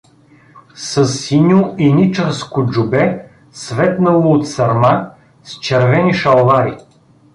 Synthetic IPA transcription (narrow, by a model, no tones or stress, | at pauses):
səsːinʲoinit͡ʃəɾskʊd͡ʒubɛ | svɛt̪nɐlˠoːt̪sɐɾma | st͡ʃɛɾvɛniʃɐlˠvaj